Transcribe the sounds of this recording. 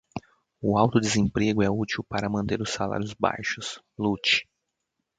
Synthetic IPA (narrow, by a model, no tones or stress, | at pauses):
ʊawt̪ʊd̪ezẽpɾeɡʊɛut͡ʃiwpaɾɐmɐ̃nt̪eɾʊsala̰ɾjʊzba̰jʃʊs | lut͡ʃɪ̥